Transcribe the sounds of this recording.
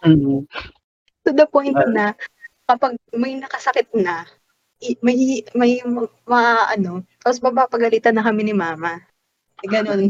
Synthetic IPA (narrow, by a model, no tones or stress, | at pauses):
m̩ːh̩ | sod̪ɐpojnt̪nɐkɐpɐɡ̚mɐjnɐkɐsɐkɪt̪̚nɐ | mɐhmɐjm | mɐʔaʔɐno̞t̪apos̬bɐbapɐɡɐliːt̪ɐnːɐkɐmɪnɪmaːmɐ | ɛɡɐnon